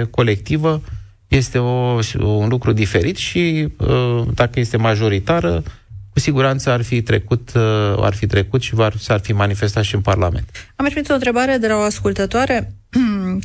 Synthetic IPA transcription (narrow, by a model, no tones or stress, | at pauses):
ko̞le̞k̚t̪ivə | je̞st̪e̞ounlukɾud̪ife̞ɾit̪ʃi | d̪akəje̞st̪e̞maʒo̞ɾit̪aɾə | kusiɡuɾant̪səarfit̪ɾe̞̰kut̪a̰rfit̪ɾe̞kut̪ʃivasarfimanife̞st̪at̪ʃiɨnparla̰me̞̰nt̪amɾipinit̪ont̪ɾe̞baɾe̞d̪e̞laoaskult̪ət̪oaɾe̞